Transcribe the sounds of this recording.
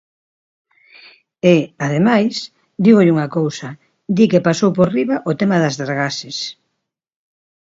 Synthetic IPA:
eaðemajs | d̪iɣʊʎuŋɐkowsɐ | d̪ikepasowporiβɐʔot̪ɛmaðɐzðaɾɣasɪs

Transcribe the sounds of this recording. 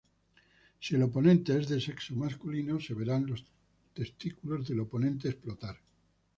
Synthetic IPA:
sie̞lo̞p̬o̞nẽ̞nt̪e̞ezðese̞kso̞maskulino̞se̞βe̞ɾanlo̞s | t̪e̞st̪ikulo̞zðe̞lo̞po̞nẽ̞nt̪̬e̞ːsplo̞t̪aɾ

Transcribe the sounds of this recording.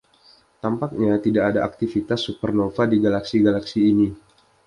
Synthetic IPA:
t̪ampak̚ɲat̪idaʔadaʔak̚t̪ifit̪asːupərnofadiɡalaksiɡalaksiːni

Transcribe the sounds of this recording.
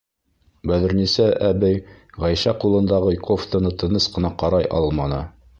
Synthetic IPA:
bæðɘ̆ɾnisæʔæbɘjʁæjʃæqulˠɤ̆nd̪ɑʁɤjkoft̪onɤt̪ɤ̆nɤsqɤ̆nɑqɑɾɑjʔɑ̰lˠmɑnɤ̰

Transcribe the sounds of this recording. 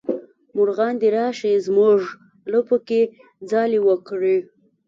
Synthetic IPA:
mʊɾɣɑnd̪iɾɑʃezmuʐ | ləpəke | d͡zɑliwəkɽi

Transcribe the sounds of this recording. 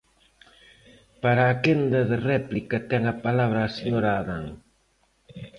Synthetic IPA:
paɾaːkend̪ɐðɪrɛplikɐt̪ɛŋɐpalaβ̞ɾɐːseɲoɾaːðaŋ

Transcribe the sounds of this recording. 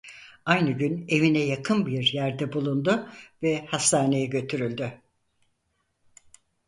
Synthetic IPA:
ajnɯɟyne̞vinɛjakʰɯnbiɾjæɾd̪ɛbulˠund̪ʊvɛhast̪ʰaːne̞jɛɟø̞t̪ʰyɾylʲd̪y

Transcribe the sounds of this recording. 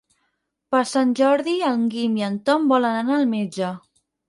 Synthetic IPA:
pəɾsanʲʒɔɾðiəlˠŋɡimiənt̪ɔmbɔlənənaːlˠmed͡ʒə

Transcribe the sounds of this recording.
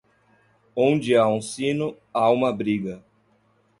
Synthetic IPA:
õnd͡ʒɪaũsĩnʊ | aũmɐbɾiɡɐ

